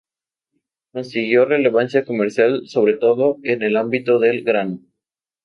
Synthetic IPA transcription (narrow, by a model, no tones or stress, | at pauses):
ko̞nsiɣjo̞re̞le̞βansjako̞meɾsjalso̞βɾe̞t̪o̞ðo̞e̞ne̞lambit̪o̞ðelɡɾan